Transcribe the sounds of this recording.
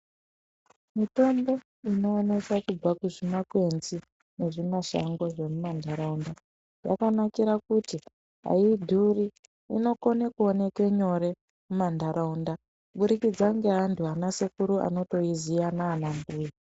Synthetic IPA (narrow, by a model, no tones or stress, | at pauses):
mito̞mbo̞ | ino̞ːne̞sakub͡vakuʐimakwe̞nzi | ne̞ʐimaʃa̰ŋɡo̞ʐe̞mumandʱaɾaunda | ja̰kanakiɾakuti | ɦa̰idʱuri | ino̞ko̞nekuone̞ke̞ɲo̞ɾe̞ | mumandaɾaunda | ɓuɾikid͡zaŋɡe̞ɦantʰuanasekuɾuʔa̰no̞to̞izijanaːnambuji